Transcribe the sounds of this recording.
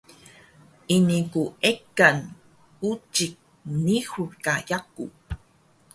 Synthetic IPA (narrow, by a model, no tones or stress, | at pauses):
inikuekan | ut͡ʃik̚ | nihuɾkajakṵ